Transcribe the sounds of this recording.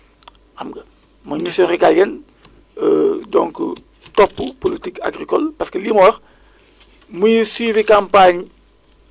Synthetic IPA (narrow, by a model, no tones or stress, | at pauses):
ʔɐmɡɐ | mɐmisɔriɡaljɛn | ədɔ̰ŋkə̰ | tɔpːupolitika̰ɡɾikɔlpaskəlimɔːɾ | mujuswiːvikampaɲ